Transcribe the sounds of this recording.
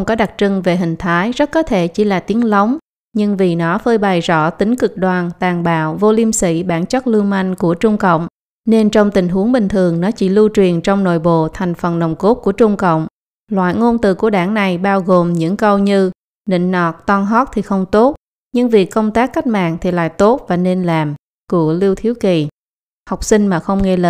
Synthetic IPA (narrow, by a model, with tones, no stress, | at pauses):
wŋ͡mkɔ˨˦ɗa˨˩t̚t͡ɕɨ˧ŋve˨˩ɦï˨˩ŋ̟t̪ʰaː˨˦jzə˦˥t̚kɔ˨˦t̪ʰe˧˩t͡ɕi˧˩laː˨˩t̪i˨˦ənla˨˦wŋ͡m | ɲɨ˧ŋvi˨˩nɔ˨˦fəː˧jɓa˨˩jzɔ̰˧˥˨t̪ï˨˦ŋ̟kɨ˨˩k̚ɗwaː˨˩nt̪aː˨˩ŋɓa̰ː˧˨wvo˧li˧msḭ˧˥ɓaː˧˩nt͡ɕə˦˥t̚lɨ˧ŋma˧jŋ̟ku˧˩ət͡ɕʊ˧ŋ͡mkə̰˧˨wŋ͡m | ne˧nt͡ɕɔ˧wŋ͡mt̪ï˨˩ŋ̟ɦu˨˦əŋɓï˨˩ŋ̟t̪ʰɨ˨˩əŋnɔ˨˦t͡ɕḭ˧˩lu˧t͡ɕwi˨˩ənt͡ɕɔ˧wŋ͡mno̰˧˨jɓo̰˧˨t̪ʰa˨˩jŋ̟fə˨˩nːə˨˩wŋ͡mko˦˥t̚ku˧˩ət͡ɕʊ˧ŋ͡mkə̰˧˨wŋ͡m | lwa̰ː˧˨jŋo˧nt̪ɨ̰˧˨˩ku˧˩əɗaː˧˩ŋna˨˩jɓaː˧wɣo˨˩mɲɨ̰˧˥ŋkə˧wɲɨ˧ | nḭ˧˨ŋ̟nɔ˨˩t̚t̪ɔ˧nɦɔ˦˥t̚t̪ʰi˨˩xə˧wŋ͡mt̪o˦˥t̚ | ɲɨ˧ŋvi˨˩əkːə˧wŋ͡mt̪aː˦˥kːa˦˥jk̟̚ma̰ː˧˨ŋt̪ʰi˨˩la̰ː˧˨jt̪o˦˥t̚vaː˨˩ne˧nlaː˨˩m | ku˧˩əli˧wt̪ʰi˨˦wwki˨˩ | ha˨˩wk͡p̚sï˧ŋ̟maː˨˩xə˧wŋ͡mŋe˧lə˧˩